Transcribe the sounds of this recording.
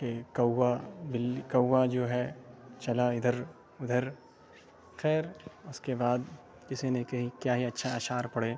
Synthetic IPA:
kekɐwːabɪlkɐwːad͡ʒoːɦɛt͡ʃɐlaɪd̪ʱəɾ | ʊd̪ʱəɾ | xɛːɾʊskebaːd̪ | d͡ʒɪsenẽkɐɦikjaːɦiɐtːʃʰaaːʃaːɾpɐɽeː

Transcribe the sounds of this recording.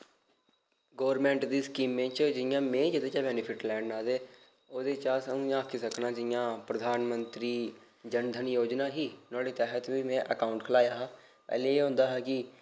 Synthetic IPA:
ɡoːɾmɛ̃ːɳʈd̪iːskiːmːẽːt͡ʃd͡ʒɪjãːmẽːd͡ʒəd̪eːt͡ʃaːbɛːnɪpʰɪʈlɛ̃ːɳɖnaːd̪eː | oːd̪eːt͡ʃaːsəũːaːkʰisəknaːd͡ʒɪjãːpɾəd̪ʱaːnmənt̪ɾiː | d͡ʒənd̪ʱənjoːd͡ʒnaːɦiːnãːɽiːt̪ɛːɦət̪ʋiːmɛ̃ːʔəkaːʊɳʈkʰəlaːjaːɦaː | pɛ̰ːlẽːeːɦõːnd̪aːɦɛːkɪ

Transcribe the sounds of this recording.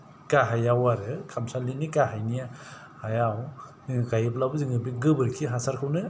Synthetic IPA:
kaɦajawaɾɯkʰamsalinikaɦajnija | hajaw | kajɯp̬̚labziŋɯbiɡɯbɯɾkʰiɦasaɾkʰɯwnɯ

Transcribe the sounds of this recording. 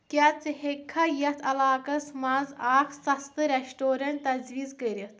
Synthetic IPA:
kʲat͡sɨhekʰːɐjɐt̪ʰɐlaːkɐsmazaːkʰsɐst̪ɨɾeʃʈoːɾɐnt̪ɐzʋiːzkəɾit̪ʰ

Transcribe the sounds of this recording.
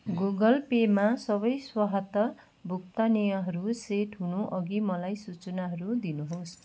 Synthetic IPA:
ɡuɡʌlpemasʌbʌjswaɦʌt̪ʌ | bʱuk̚t̪ʌnijʌɦʌɾuseʈɦunuʔʌɡimʌlajsut͡sʌnaɦʌɾud̪inuɦos

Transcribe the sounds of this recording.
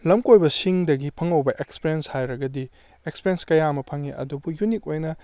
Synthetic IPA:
lɐmkojbɐsiŋdɐɡipʰɐŋɐwbɐʔekspiɾenshajɾɐɡɐdi | ekspiɾenskɐjamɐpʰɐŋiʔɐ̰dubujunik̚ojnɐ

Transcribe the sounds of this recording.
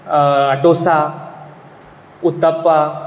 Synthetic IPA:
aɖosa | ut̪əpːa

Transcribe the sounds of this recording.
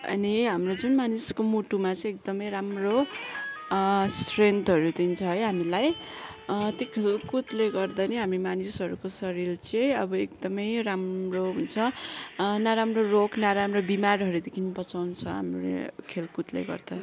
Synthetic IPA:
ʌ̰niɦamrod͡zunmaniskomuʈumat͡sʌ̃ek̚d̪ʌmʌjɾamro | sʈrent̪ʰɦʌɾut̪int͡sʰʌɦʌjɦamilaj | t̪jokʰelkut̪leɡʌrd̪ʌnʌɦamɾemanisʌɾukosʌɾilt͡sʌ̃ʌbʌek̚d̪ʌmʌjramroɦunt͡sʰʌ | naɾamrorokʰnaɾamrobimarɦʌɾud̪ekʰinupʌt͡sawnt͡sʰʌ̰ɦa̰mrḛkʰelkut̪lḛɡʌ̰rd̪ʌ

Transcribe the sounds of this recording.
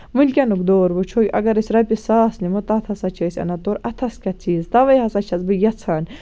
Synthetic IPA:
mɨlʲkʲɐnukd̪oːɾbɨt͡ʃʰoːjʲɐ̰ɡɐɾɐsʲɾɐpʲisaːsnimɨt̪ɐt̪ʰɐsɐt͡ʃʰəːsʲɐ̰nɐt̪oːɾɐt̪ʰɐskʲɐt͡sʰiːzt̪ɐʋɐjɦɐsɐt͡ʃʰɐzbɨjɐt͡sʰaːn

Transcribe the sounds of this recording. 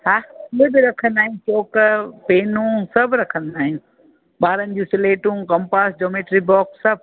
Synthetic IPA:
haiɦbɪɾɐkʰənd̪aːɦĩt͡ʃoːkpeːnũsɐbʱɾɐkʰənd̪aːɦĩjũ | ɓaːɾənɪ̆d͡ʑũːsleːʈũːkɐmpaːsd͡ʒoːmeːʈɾibɔːksːɐb̚

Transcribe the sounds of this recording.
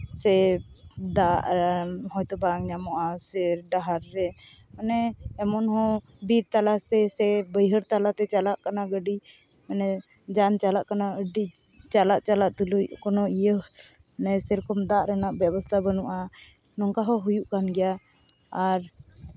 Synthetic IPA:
sɛ | d̪aʔɦɔjt̪ɔbaŋɲamɔʔasɛɾɖaɦaɾːɛ | manɛːmɔnɦɔ̃ | biɾt̪alast̪ɛsɛbəjɦəɾt̪alat̪ɛt͡ʃalaʔkanaɡəɖi | manɛ | d͡ʒant͡ʃalaʔkanaəɖi | t͡ʃalaʔt͡ʃalaʔt̪ulujkɔnɔijə | nɛsɛɾɔkɔmd̪aʔɾɛnaʔbjɛbɔst̪ʰabənɔʔa | nɔŋkaɦɔɦujuʔkanɡɛja | aɾ

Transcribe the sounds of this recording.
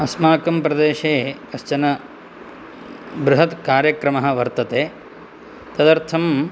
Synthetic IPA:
ɐsmaːkɐmpɾɐd̪eːʃeːkɐʃt͡ʃɐnɐ | bɾuɦɐt̪kaːɾjɐkɾɐmɐɦɐ̆ʋɐɾt̪ɐt̪eː | t̪ɐd̪ɐɾt̪ʰɐm

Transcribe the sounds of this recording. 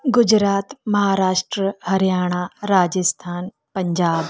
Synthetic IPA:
ɡʊd͡ʒɾaːt̪mɐɦaːɾaːʃʈɾəhɐɾjaːɽ̃aːɾaːd͡ʒəst̪ʰaːn | pɐ̃ɲd͡ʒaːb

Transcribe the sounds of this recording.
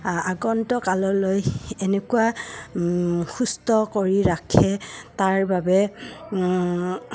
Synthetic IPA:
aɡɔntɔkalɔlojenekuwa | xustɔkoɹiɹakʰɛtaɹbabɛ

